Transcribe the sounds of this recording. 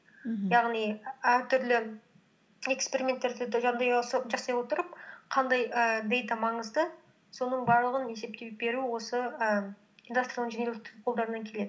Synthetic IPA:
jɑʁnijæɾt̪ʰʏɾlɪ | e̞kspeɾimʲe̞nt̪ːe̞ɾd̪ɪʒɑnd̪ɑjsʒɑsɑjwo̞t̪əɾəp̚qʰɑnd̪ɑjəbejt̪ɑmɑɴəzd̪ə | so̞nəɴbɑɾlˠəʁəne̞se̞p̚t̪e̞be̞ɾuwo̞səə | ind̪ust̪ɾrialˠʒenelʲɪkt̪ʰqʰolˠd̪ɑɾənɑŋkʲʰe̞le̞d̪ɪ

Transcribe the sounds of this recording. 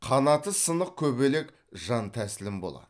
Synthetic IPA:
qʰɑnɑt̪əsənəq̚kʲʰɵbe̞le̞k | ʒɑnt̪ʰæsɪlɪmbo̞̰lˠɑ̰d̪̥

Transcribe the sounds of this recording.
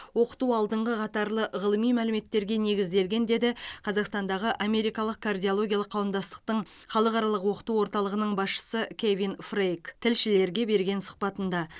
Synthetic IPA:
wo̞qə̥t̪uɑlˠd̪əɴʁəqʰɑt̪ɑɾlˠəʁəlˠəmijmælɪme̞t̪ːe̞ɾɡʲe̞ne̞ɡʲɪzd̪e̞lɡʲe̞nd̪e̞d̪ɪqʰɑzɑqst̪ɑnd̪ɑʁəʔame̞ɾijkɑlˠəq̚kʰard̪ʲijolˠo̞ɡʲijɑlˠəqʰːɑwəmd̪ɑst̪ə̥q̚t̪əɴ | χɑlˠəqɑɾɑlˠəqwo̞qə̥t̪uwo̞ɾt̪ɑlˠəʁənəɴbɑsʃə̥səkʲʰevinfrejkt̪ʰɪlʃɪle̞ɾɡʲe̞be̞ɾɡʲe̞nsʊ̥q̚pɑt̪ənd̪ɑ

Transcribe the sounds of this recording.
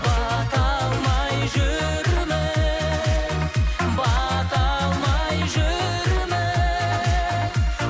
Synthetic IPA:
bɑt̪ɑlˠmɑjʒʏ | ɾmɪ | bɑt̪ɑlˠmɑjʒɵ | ɾmɪ

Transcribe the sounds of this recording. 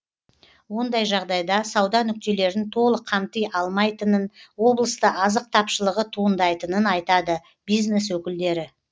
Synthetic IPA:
wo̞nd̪ɑjʒɑʁd̪ɑjd̪ɑsɑwd̪ɑnʏk̚t̪e̞le̞ɾɪnt̪ʰo̞lˠəqʰɑmt̪əjɑlˠmɑjt̪ənənwo̞blˠəst̪əʔɑzəq̚t̪ʰɑpʃəlˠəʁət̪ʰuənd̪ɑjt̪ənənɑjt̪ɑd̪ə | b̥ijzne̞swɵkʲɪld̪e̞ɾɪ

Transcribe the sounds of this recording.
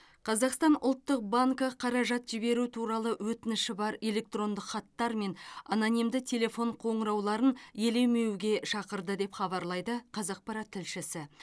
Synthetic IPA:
qʰɑzɑqst̪ɑnʊ̰lˠt̪ːəq̚baŋkəqʰɑɾɑʒɑt̪ʒ̥ɪbe̞ɾut̪ʰuɾɑlˠəwɵt̪ɪnɪʃɪbɑɾe̞le̞k̚t̪ro̞nd̪ɪqχɑt̪ːɑɾme̞nananijmd̪ɪt̪ʲʰe̞le̞fo̞ɴqʰo̞ɴəɾɑwlˠɑɾənje̞le̞wme̞wɡʲe̞ʃɑqəɾd̪əd̪e̞pχɑβɑɾlˠɑjd̪əqʰɑzɑq̚pɑɾɑt̪ʰːɪlʃɪsɪ

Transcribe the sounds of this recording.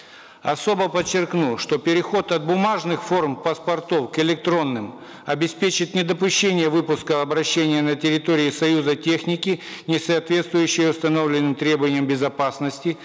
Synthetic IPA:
ɐ̰so̞bəpət͡ɕːɪrknuʂt̪o̞pʲɪɾʲɪxo̞t̪ɐt̪̚bʊmaʐnɨxfo̞rmpɐspɐrt̪ofkɪlʲɪk̚t̪ɾo̞nːɨm | ɐbʲɪspʲet͡ɕɪt̪nʲɪd̪əpʊɕːenʲɪjəvɨpʊskəɐbɾɐɕːenʲɪjənətʲɪɾʲɪt̪oɾʲɪɪsɐjuzətʲe̞xnʲɪkʲɪnʲɪsɐːt̪vʲe̞t̪st̪vʊjʉɕːɪjəʊst̪ɐno̞vlʲɪnːɨmt̪ɾʲe̞bəvənʲɪjəmbʲɪzɐpasnəsʲtʲɪ

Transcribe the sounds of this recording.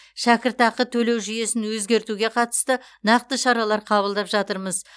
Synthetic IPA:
ʃækʲɪɾt̪ɑqət̪ʰɵle̞wʒʏje̞sɪnwɵzɡʲe̞ɾt̪uɡʲe̞qʰɑt̪ə̥st̪ə | nɑq̚t̪əʃɑɾɑlˠɑɾqʰɑβəlˠd̪ɑpʒɑt̪əɾməz

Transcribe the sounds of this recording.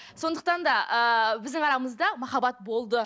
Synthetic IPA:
so̞nd̪əq̚t̪ɑnd̪ɑʔəbɪzd̪ɪŋɑɾɑməzd̪ɑmɑχɑbɑt̪̚bo̞lˠd̪ə

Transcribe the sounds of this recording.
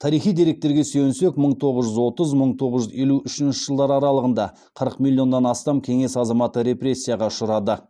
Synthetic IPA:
t̪ʰɑɾijχijd̪e̞ɾe̞k̚t̪e̞ɾɡʲe̞sɵɪnsekməɴt̪ʰo̞ʁəzʒʏzwo̞t̪əzməɴt̪ʰo̞ʁəzʒʏzje̞luʔʏʃɪnʃəʒ̥əlˠd̪ɑɾɑɾɑlˠəʁənd̪ɑ | qʰəɾəqmilʲˠːijo̞nːɑnɑst̪ɑmkʲʰe̞ŋe̞sɑzɑmɑt̪əɾe̞pɾe̞sʲːijɑʁɑʊʃəɾɑd̪ə

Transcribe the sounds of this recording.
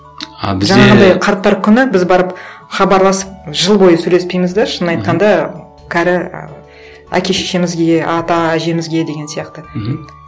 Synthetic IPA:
ɑ̰bɪzʒɑɑʁənd̪ɑjqʰɑɾt̪̚ːɑɾkʲʰʏnɪbɪzbɑɾəp | χɑbɑɾlˠɑsə̥p̚ʒəlˠbo̞jəsɵjle̞spe̞jmɪzd̪eʃənːɑjt̪̚qɑnd̪ɑ | kʲʰæɾɪ | æ̰kʲe̞ʃeʃe̞mɪzɡʲe̞ɑt̪ɑæʒe̞mɪzɡʲe̞d̪e̞ɡʲe̞nsijɑqt̪ə

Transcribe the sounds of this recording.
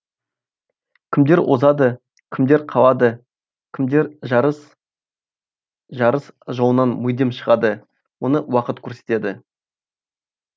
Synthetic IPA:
kʲʰɪmd̪e̞ɾwʔo̞̰zɑd̪ə | kʲʰɪmd̪e̞ɾqʰɑlˠɑd̪ə | kʲʰɪmd̪eɾʒs | ʒɑɾəsʒowənɑnmʊjd̪emʃəʁɑd̪ə | wo̞nəwɑqət̪kʲʰɵɾse̞̥t̪e̞d̪ɪ

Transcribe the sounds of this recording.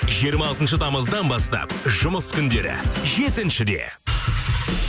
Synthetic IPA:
ʒijəɾmɑːlˠt̪ənʃ̬ət̪ʰɑməzd̪ɑnbɑst̪ɑ̰pʒʊməskʲʰʏnd̪e̞ɾɪ̰ʒe̞t̪ɪnʃɪd̪e̞̰

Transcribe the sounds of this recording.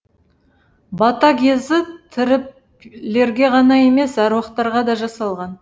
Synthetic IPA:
bɑt̪ɑkʲe̞zɪt̪ʰɪɾɪp | le̞ɾɡʲe̞ʁɑnɑje̞me̞sɑɾwɑqt̪ɑɾʁɑd̪ɑʒɑsɑlˠʁɑn

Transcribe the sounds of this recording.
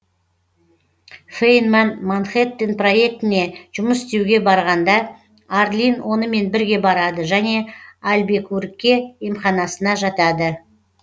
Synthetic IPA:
fejnmanmanχet̪ːɪnpro̞je̞k̚t̪ɪne̞ʒ̥ʊməsst̪ewɡʲe̞bɑɾʁɑnd̪ɑ | aɾlʲinwo̞nəme̞nbɪɾɡʲe̞bɑɾɑd̪əʒæne̞ɑlbe̞kuɾɪkʲːe̞emχɑnɑsənɑʒɑt̪ɑd̪ə

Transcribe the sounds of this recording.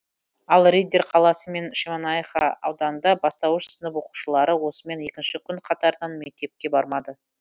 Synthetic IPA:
ɑlˠrejd̪eɾqʰɑlˠɑsəme̞nʃemɑnɑjeχɑ̰ɑ̰wd̪ɑnənd̪ɑbɑst̪ɑwəʃsənəp̬woqu̥ʃəlˠɑɾəwo̞səme̞ne̞kʲɪnʃɪkʲʰʏɴqʰɑt̪ɑɾəd̪ɑnme̞k̚t̪e̞p̚kʲe̞bɑɾmɑd̪ə

